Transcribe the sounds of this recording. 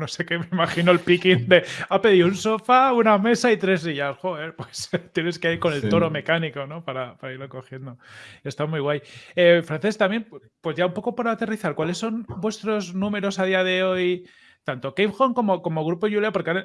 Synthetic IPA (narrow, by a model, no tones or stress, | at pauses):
no̞se̞ke̞meimaxino̞elpikind̪e̞ape̞ðiounso̞fauname̞sait̪ɾe̞zliʎasxoe̞ɾpwest̪je̞ne̞skeaiɾko̞ne̞lt̪o̞ɾo̞me̞kaniko̞no̞paɾapaɾaiɾlo̞ko̞xje̞nd̪o̞e̞st̪amwujɣwajefɾanθe̞st̪amje̞n | pwe̞zʝaumpo̞ko̞poɾat̪e̞riθaɾkwale̞sːo̞nbwe̞st̪ɾo̞znũme̞ɾo̞sað̞iaðe̞o̞j | t̪ant̪o̞kejpxo̞ŋko̞mo̞ko̞mo̞ɣ̞ɾupoʝuleapo̞ɾkean